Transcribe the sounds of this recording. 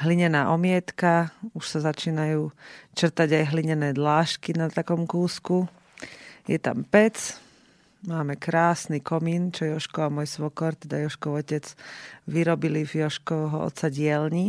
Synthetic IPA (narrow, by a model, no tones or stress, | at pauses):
ɦliɲɛnaːʔɔmɪɛt̪kauʃsazat͡ʃiːnajuːt͡ʃr̩t̪aɟajɦliɲɛnɛːd̪laːʃkinat̪akɔmkuːsku | jɛt̪a̰mpɛt͡s | maːmɛkɾaːsnikɔmiːnt͡ʃɔjɔʃkɔamɔjsʋɔkɔɾt̪ɛd̪ajɔʃkɔʊɔcɛt͡sʋiɾɔbilivjɔʃkɔɦɔɔ̰t̪t͡saɟɪɛlɲi